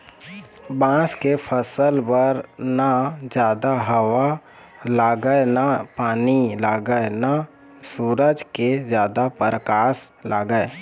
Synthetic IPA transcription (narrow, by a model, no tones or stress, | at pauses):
bãːskepʰəsəlbəɾnad͡ʒjaːd̪aɦəʋwa | laːɡəenapaːnilaːɡəena | suːɾəd͡ʒked͡ʒjaːd̪apəɾəkaːs | lʔaːɡəe